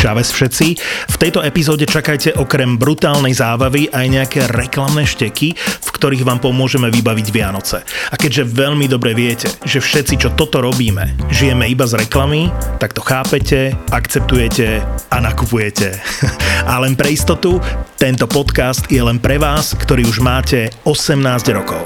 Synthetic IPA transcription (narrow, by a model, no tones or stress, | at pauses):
ʒaʋɛsfʃɛt̪t͡sift̪ɛjt̪ɔɛpizɔːɟɛt͡ʃakajcɛʔɔkɾɛmbɾut̪aːlnɛjzaːbaʋiʔajɲɛakɛɾɛklamnɛʃcɛkifkt̪ɔɾiːɣʋaːmpɔmʊɔʒɛmɛʋibaʋiɟʋɪanɔt͡sɛakɛɟʒɛʋɛʎmid̪ɔbɾɛʋɪɛcɛʒɛfʃɛt̪t͡sit͡ʃɔt̪ɔt̪ɔɾɔbiːmɛ̰ʒijɛmɛibazɾɛklamit̪akt̪ɔxaːpɛcɛakt͡sɛp̚t̪ujɛcɛanakupujɛcɛ | alɛnpɾɛist̪ɔt̪ut̪ɛnt̪ɔpɔt̪kast̪jɛlɛnpɾɛʋaːskt̪ɔɾiːuʒmaːcɛɔsɛmnaːzɟɾɔkɔʊ